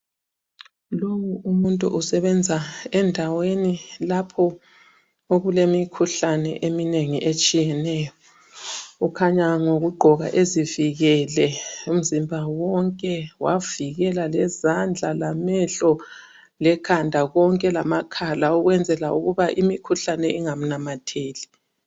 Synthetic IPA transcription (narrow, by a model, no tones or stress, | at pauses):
lowuumuntʼṵʔusɛβɛnd͡zʱaɛndʱawenilapʰɔ | oɣulemikʰuɬanɛ̰ʔemineŋiʔet͡ʃʼijɛnɛjɔ | ukʰaɲaŋoɣuɡ͡ǃʱɔɣa̰ʔeziviɣɛlɛum̩zimbʱawɔŋkʼɛwaviɣɛlalɛzand͡ɮʱalamɛɬɔ | lɛkʰandʱaɣɔŋkʼɛlamakʰalauɣwɛnd͡zʱɛlaʔuɣuβaʔimikʰuɬanɛʔiŋam̩namatʰeːli